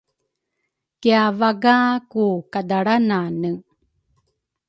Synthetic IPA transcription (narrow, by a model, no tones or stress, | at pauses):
kiavaɡaːkukad̪aɽananɯ